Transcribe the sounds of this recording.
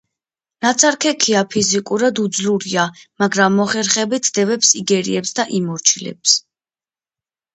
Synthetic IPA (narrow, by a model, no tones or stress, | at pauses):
nat̪sʰaɾkʰɛkʰiapʰizikʼuɾad̪ud̪zluɾiamaɡɾamːɔχɛɾχɛbit̪sd̪ɛvɛpsiɡɛɾḭɛpsd̪aʔimɔɾt͡ʃʰilɛ̰ps